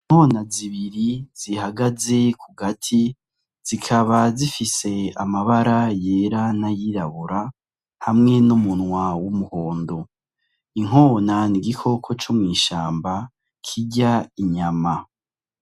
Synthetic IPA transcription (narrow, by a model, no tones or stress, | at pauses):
iŋ̥ho̞ːnaziβiɾiz̥ihaɡaze̞kʰuɡatʰi | z̥ikʰaβazifise̞amaβaɾaje̞ɾanajiɾaβuɾa | hamŋe̞numunwawumuho̞ːndo̞ | iŋ̥o̞ːnaniɡikʰo̞kʰo̞t͡ʃumŋiːʃaːmba | kʰiɟaiɲama